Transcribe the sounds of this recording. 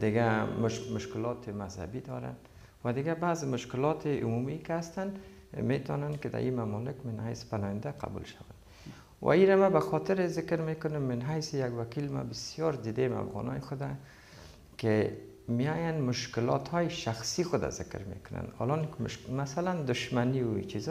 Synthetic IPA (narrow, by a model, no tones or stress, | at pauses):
d̪ɪɡamʊʃmʊʃkɪlɔt̪ʰɪmazha̰bid̪ɔɾa̰n | wad̪ɪɡabazɪmʊʃkɪlɔt̪ʰɪumumikɪast̪an | met̪ɔ̰nankɪd̪a̰ʔimamɔlɪkmɪnhajspanɔjɪnd̪aqʰa̰bṵlʃawa̰n | wʔa̰iɾamabaxɔt̪ɪɾɪzɪkɾmekʊnʊmːɪnɦajsɪjaɡwakilma̰bɪsjɔɾd̪id̪ema̰fɣɔ̰nɔ̰jxʊd̪a | kɪ | mijɔjanmʊʃkɪlɔ̰t̪hɔjɪʃaxsixʊd̪a̰zɪ̰kɪ̰ɾmḛkʊna̰nɒ̰lɔnkmasaland̪ʊʃmaniwt͡ʃiz